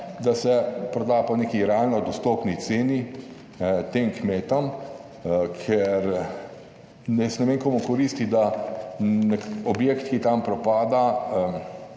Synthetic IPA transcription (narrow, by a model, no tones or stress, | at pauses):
d̪asɛpɾɔd̪aːpɔnekiɾɛalnɔd̪ɔst̪oːpnit̪seːni | t̪eːmkmeːt̪ɔm | kʰɛɾ | nɛsnɛmeŋkoːmukɔɾist̪id̪a | nɛɔbjeːkt̪kit̪ampɾɔpaːd̪a